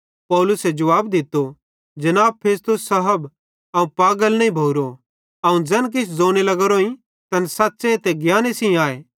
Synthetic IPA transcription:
pɔːlʊsɛd͡ʒɐʋaːbd̪ɪt̪ːo | d͡ʒɐnaːbpʰeːst̪ʊsːɐɦəb | ɐũpaːɡəlnɐ̃ĩbʱoːɾo | ɐũd͡zɛ̃ːnk̬ɪt͡ʃʰd͡zoːnelɐɡəɾoːĩ | t̪ɐnsaːtːsẽt̪ɛɡjaːnesĩaːeː

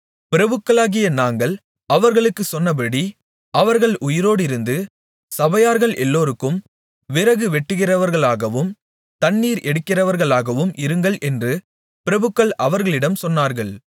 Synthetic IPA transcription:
pɪɾɐbɯkːɐɭaːɣɪjɐnaːŋɡɐɭ | ɐʋɐɾɣɐɭɯkːɯsɔnːɐbɐɽi | ɐʋɐɾɣɐɭʔʊjɪɾoːɽɪɾɯnd̪ɯ | sɐbɐjaːɾɣɐɭʔɛlːoːɾɯkːɯm | ʋɪɾɐɣɯʋɛʈːɯɣɪrɐʋɐɾɣɐɭaːɣɐʋɯm | t̪ɐnːiːɾɛɽɯkːɪrɐʋɐɾɣɐɭaːɣɐʋɯmʔɪɾɯŋɡɐɭʔɛndrɯ | pɪɾɐbɯkːɐɭʔɐʋɐɾɣɐɭɪɽɐmsɔnːaːɾɣɐɭ

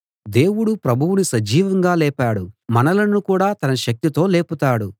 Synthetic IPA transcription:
d̪e̞ːwuɽupɾɐbʱuwunisɐd͡ʒiːʋɐŋɡaːlɛːpaːɽumɐnɐlɐnːukuːɽaːt̪ɐnɐʃɐk̚t̪it̪o̞ːleːput̪aːɽu

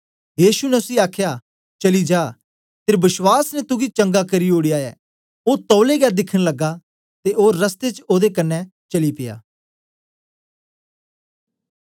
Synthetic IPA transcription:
jiːsunɛʊsiaːkʰja | t͡ʃɐlid͡ʒaː | t̪eːɾbɪswaːsnɛt̪ʊɡit͡ʃɐ̃ŋɡakɐɾioːɽijaːɛː | oːt̪ɔːleɡɛːd̪ɪkʰəɽ̃lɐɡa | t̪eoːɾːɐst̪et͡ʃoːd̪ekɐnːɛ | t͡ʃɐlipɪja̰ː

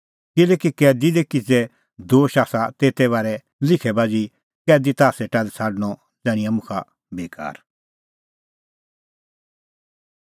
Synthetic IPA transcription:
kɪlɛːkikɛːd̪id̪ɛkɪd͡zɛ | d̪oːʃaːsat̪eːt̪ɛβaːɾɛ | lɪkʰɛbaːd͡zi | kɛːd̪it̪aːsɛʈaːlsʰaːɽəñɔ | d͡zɛːɽ̃ɪ̃ɐmʊ̃kʰa̰ | beːka̰ːɾ

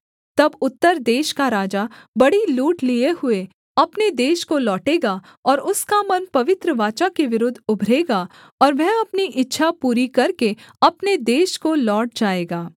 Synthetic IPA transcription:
t̪ɐbʊt̪ːəɾd̪eːʃkaɾaːd͡ʒabɐɽiluːʈlieɦʊe | ɐpned̪eːʃkolɔːʈeːɡa | ɔːɾʊskamɐnpɐʋɪt̪ɾəʋaːt͡ʃakeʋɪɾʊd̪ʱʊbʱɾeːɡa | ɔːɾʋɛɦɐpniʔɪtːʃʰapuːɾikɐɾkeɐpned̪eːʃkolɔːʈ̚d͡ʒaːeːɡaː

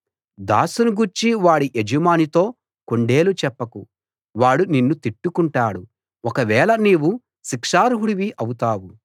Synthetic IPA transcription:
d̪a̰ːsunuɡuɾt͡ʃiʋaːɽiʔed͡ʒimaːnit̪o̞ː | koɳɖe̞ːlut͡ʃɛpːɐku | ʋaːɽuninːut̪iʈːukuɳʈaːɽu | ɔkɐʋɛːɭɐniːwu | ʃikʂaːɾɦuɽiʋiʔɐwut̪aːwu

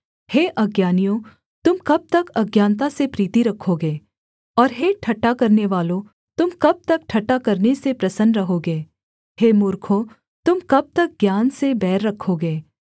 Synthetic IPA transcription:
heːʔɐɡjaːnijõ | t̪ʊmkɐb̚t̪ɐkɐɡjaːnt̪̬asepɾiːt̪iɾɐkʰːoɡeː | ɔːɾɦeːʈʰɐʈːakɐɾneʋaːlõ | t̪ʊmkɐb̚t̪ɐk̚ʈʰɐʈːakɐɾnesepɾɐsənɖɾɐɦoɡeː | heːmʊːɾkʰo | t̪ʊmkɐb̚t̪ɐk̚ɡjaːnsebɛːɾːɐkʰːoɡeː

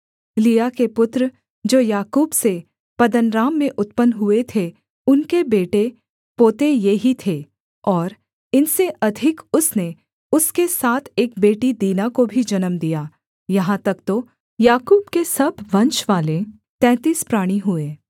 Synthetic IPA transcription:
liːjakepʊt̪ɾə | d͡ʒoːjaːkuːbse | pɐd̪ənɾaːmːẽʔʊt̪pənɦʊet̪ʰe | ʊnkebeːʈe | poːt̪ejeɦit̪ʰe | ɔːɾ | ɪnseʔɐd̪ʱɪkʊsne | ʊskesaːt̪ʰeːk̚beːʈid̪iːnakobʱid͡ʒɐnəmd̪ijaː | jɐɦãt̪ɐkt̪o | jaːkuːbkesɐbʋɐ̃nʃʋaːle | t̪ɛ̃ːt̪iːspɾaːɽ̃iɦʊeː

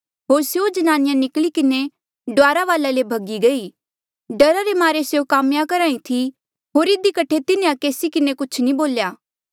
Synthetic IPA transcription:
ɦoːɾsjod͡ʒɐnaːnɪjãnɪklikɪne | ɖʊaːɾaʋaːlalebʱɐɡiɡɐi | ɖɐɾaɾemaːɾesjokaːmjakɐɾaːĩt̪ʰi | ɦoːɾɪd̪ikɐʈʰet̪ɪnẽãkeːsikɪnekʊt͡ʃʰnĩboːljaː

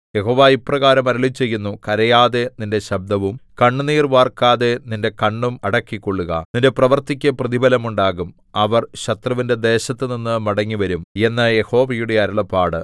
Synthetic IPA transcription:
je̞ɦo̞ːʋaːiprɐɣaːɾɐmɐɾɐɭit͡ɕːe̞jːunːukɐɾɐjaːðe̞ninde̞ɕɐb̚d̪ʱɐʋumkɐɳːuniːrʋaːrkaːðe̞ninde̞kɐɳːumɐɽɐkːikːoɭːuɣɐ̰ninde̞prɐʋɐrt̪ikʲːɐprɐðibɐlɐmuɳɖaːɣum | ɐʋɐrɕɐt̪rɐʋinde̞d̪e̞ːɕɐt̪ːɨninːɨmɐɽɐŋːiʋɐɾume̞nːɐje̞ho̞ːʋɐjuɽe̞ɐɾɐɭɐpːaːɽɨ

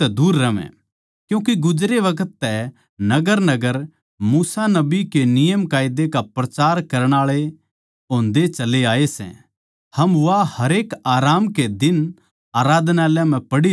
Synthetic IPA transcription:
ɛd̪uːɾːɐʋɛ̰̃ | kjũːk̬eɡʊd͡ʒɾeʋɐkʰət̪ːɛ | nɐɡəɾnɐɡəɾ | muːsanɐbikenɪjəmkaːɪd̪ekapɾɐt͡ʃaːɾkɐɾəɽ̃aːɭe | õːnd̪et͡ʃɐleaːesɛ̰̃ | hɐmʋahɐɾeːkaːɾaːmked̪ɪn | aːɾaːd̪naːljãm̤ɛ̃pɐɽi

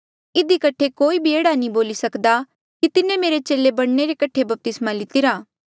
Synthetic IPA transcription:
ɪd̪ikɐʈʰekoːibʱieːɽanĩboːlisɐkd̪a | kit̪ɪnẽmeːɾet͡ʃeːlebɐɽ̃neɾekɐʈʰebɐp̚t̪ɪsmalɪt̪ɪɾaː

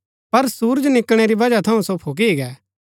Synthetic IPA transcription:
pɐɾsuːɾd͡ʒnɪkɽ̃eɾibɐd͡ʒat̪ʰɐũsopʰoːk̬iiːɡɛː

